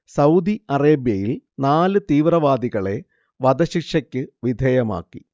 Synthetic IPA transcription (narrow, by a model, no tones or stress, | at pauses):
sɐwd̪iɐreːbjɐjilnaːlɨt̪iːʋrɐʋaːd̪iɣɐɭe̞ | ʋɐd̪ɐɕikʂɐkʲːɨʋid̪ʱeːjɐma̰ːkːi